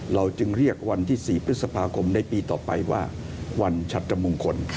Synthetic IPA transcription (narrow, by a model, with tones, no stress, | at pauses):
ɾa˧wt͡ɕɯ˧ŋɾi˥˩ək̚wa˧nt̪ʰiː˥˩siː˨˩pʰɾɯ˦˥sa˧pʰaː˧kʰo˧mna˧jpiː˧t̪ɔ̰ː˨˩pa̰˧jwa̰ː˥˩ | wa˧nt͡ɕʰa˦˥t̪̚ːɾa˧mu˧ŋkʰo˧n